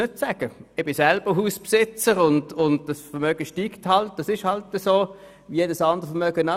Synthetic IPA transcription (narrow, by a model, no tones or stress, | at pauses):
nøt̚sɛːɡ̥əɪb̥ɪsɛlb̥əɦuːspsɪt͡səʁʊndʊndd̥ɑsfəʁmœːɡ̥əʃtiːkthɑlt̚d̥ɑsɪʃhɑltəsoː | ʋijeːdəsɑnd̥əʁfəmœɡ̥əna